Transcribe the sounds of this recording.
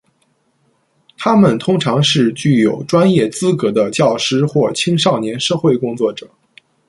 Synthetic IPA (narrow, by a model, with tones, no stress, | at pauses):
t̪ʰa˥mə˨nt̪ʰʊ˥ŋʈ͡ʂʰɑ˧˥ŋʂɻ̩˥˧t͡ɕy˥˩jo˨˩ʊʈ͡ʂwa˥njɛ˥˩t͡sɹ̩˥kɤ˧˥d̪ə˧t͡ɕjɑ˥˩ʊʂɻ̩˥xwɔ˥˩t͡ɕʰi˥ŋʂɑ˥˩ʊnjɛ˧˥nʂɤ˥˧xwe˥˩ɪkʊ˥ŋt͡swɔ˥˩ʈ͡ʂɤ˨˩˦